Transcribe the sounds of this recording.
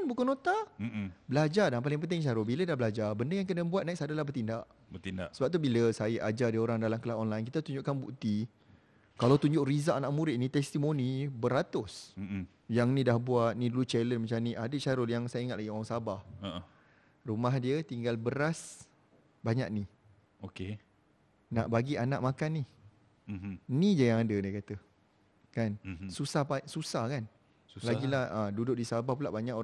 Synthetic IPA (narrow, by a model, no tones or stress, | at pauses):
nbukanot̪am̩bəlad͡ʒadaŋpalɪŋpənt̪ɪŋʃaɾʊbilədahbəlad͡ʒabəndəjaŋkənə̃buat̪̚naiksadalahbərt̪indaʔ | bət̪indaʔsəbap̚t̪ubiləsajəʔad͡ʒadioɾaŋdalamkəlaɦonlajnkit̪at̪uɲd͡ʒʊʔkanbṵkt̪i | kalawt̪uɲd͡ʒʊʔrizaʔanaʔ̚muɾɪt̪ʔ̪̚nĩt̪ɛst̪imonibəɾat̪ʊs̩ | jaŋnĩdahbuat̪̚nĩdulut͡ʃɛlənmət͡ʃamniʔadət͡ʃaɾʊljaŋsajaiŋat̪̚laɡioɾaŋsabah | rumahdiət̪iŋɡalbəɾas | baɲa̰ʔ̚ni | oke | na̰ʔbaɡianaʔmakanːi | nid͡ʒajaŋadədiəkat̪ə | kansusahbasusahkan | ulaɡilahədudʊʔ̚disabahpulaʔbaɲaʔo